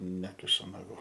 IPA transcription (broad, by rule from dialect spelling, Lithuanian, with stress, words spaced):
ˈnʲæːkʲɪʃʊ nɐˈɡuː